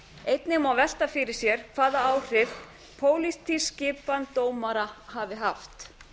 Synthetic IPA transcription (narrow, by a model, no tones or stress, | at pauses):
ejt̪nɪmawvɛl̥t̪afɪɾɪɾ̥sjɛɾ̥kʰvaːðaaːwr̥ɪf | pʰoːwlist̪ʰiscɪːpant̪oːwmaɾahavɪɦaft̪